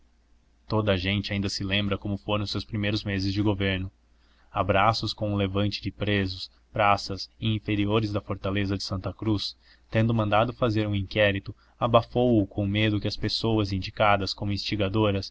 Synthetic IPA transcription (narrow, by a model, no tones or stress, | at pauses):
t̪od̪ɐːʒẽnt͡ʃɪaĩnd̪ɐsɪlẽmbɾɐkõmʊfoɾɐ̃sewspɾimejɾʊzmezɪzd͡ʒɪɡoveɾnʊ | abɾasʊskõw̃ũlevɐ̃nt͡ʃɪd͡ʒɪpɾezʊs | pɾasɐzɪĩfeɾioɾɪzd̪ɐfoɾt̪alezɐd͡ʒɪsɐ̃nt̪ɐkɾus | t̪ẽnd̪ʊmɐ̃nd̪ad̪ʊfazeɾũĩŋkɛɾit̪ʊ | abafowʊkʰõw̃med̪ʊkɪɐspesowɐzĩnd͡ʒikad̪ɐskõmʊĩst͡ʃiɡad̪oɾɐs